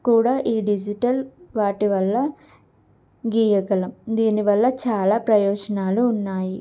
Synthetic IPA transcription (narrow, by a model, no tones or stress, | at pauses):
kuːɽaːʔiːɖid͡ʒiʈɐlʋaːʈiʋɐlːɐ | ɡiːjɐɡɐlɐmd̪iːniʋɐlːɐt͡ʃaːlaːpɾɐjɔːd͡ʒɐnaːluːnːaːji